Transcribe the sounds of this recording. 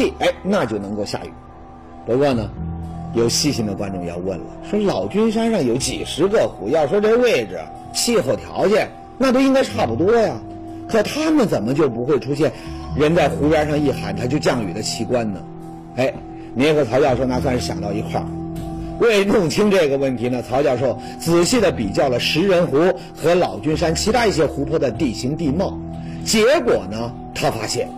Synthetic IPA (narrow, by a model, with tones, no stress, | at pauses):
i˥˩e˥˩ɪna˥˧t͡ɕjo˥˩ʊnɤ˧˥ŋko˥˧ʊɕja̰˥˩y̰˨˩˦ | pu˧˥kwɔ˥˩nə˩jo˨˩ʊɕi˥˩ɕi˧˥ŋd̪ə˨kwa̰˥nʈ͡ʂʊ˥˧ŋjɑ̰˥˧ʊwə̰˥˩nlə̰˩ʂwɔ˥lɑ˨˩ʊt͡ɕy˥nʂa˥nʂɑ˥˩ŋjo˧˥ʊt͡ɕḭ˨˩ʂɻ̩˧˥ɡə˥˧xu˨˧˩jɑ˥˩ʊʂwɔ˥ʈ͡ʂɤ˥˩ɡə˧we˥˩ɪʈ͡ʂɻ̩˨˩ | ɕi˥˧xo˥˩ʊt̪ʰjɑ̰˧˥ʊt͡ɕjɛ˨˩˦n | na˥˩t̪o˥ʊi˥ŋka˥ɪʂʈ͡ʂʰa˥˩pu˧˩t̪̬wɔ˥ja˨˩ | kʰɤ˨˩t̪ʰa˥mə˨nt͡sə˨˩nmə˦t͡ɕjo˥˩ʊpu˧˥xwe˥˧ɪʈ͡ʂʰu˥ɕ̬jɛ˥˩nɻə˧˥nt͡sa˥˩ɪxu˧˥pja˧˥ʂɑ˥˧ŋi˥˩xa̰˧˥nt̪ʰa˥t͡ɕjo˥˧ʊt͡ɕjɑ˥˩ŋy˨˩d̪ə˦t͡ɕʰi˧˥kwa˥nnə˩ | e˥˩ɪ | ni˨˧˥xə˧˩t͡sʰɑ˧˥ʊt͡ɕjɑ˥˧ʊʂo˥˧ʊna˥˧s̬wa˥˧nʂɻ̩˥˩ɕjɑ̰˨˩ŋt̪ɑ˥˩ʊi˧˥kʰwa̰˥˩we˥˧˩ɪnʊ˥˩ŋt͡ɕʰi˥ŋʈ͡ʂɤ˥˩ɡə˩wə˥˩nt̪ʰi˧˥nə˧t͡sʰɑ˧˥ʊt͡ɕjɑ˥˧˩ʊʂo˥˩ʊ | t͡sɹ̩˨˩ɕi˥˩d̪ə˩pi˨˩t͡ɕjɑ˥˩ʊlə˩ʂɻ̩˧˥ɻə˧˥nxu˧˥ | xɤ˧˥lɑ˨˩ʊt͡ɕy˥nʂa˥nt͡ɕʰi˧˥a˥i˥˩ɕjɛ˥xu˧˥pʰwɔ˥˩d̪ə˩t̪i˥˩ɕi˧˥ŋt̪i˥˧mɑ˥˩ʊ | t͡ɕjɛ˧˥kwɔ˨˩nə˦ | t̪ʰa˥fa̰˥ɕjɛ̰˥˩n